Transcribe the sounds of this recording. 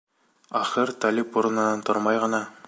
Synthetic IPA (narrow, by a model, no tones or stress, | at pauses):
ɑχɘɾt̪alipuɾɤ̆nɤ̆nɑnt̪oɾmɑjʁɤ̆nɑ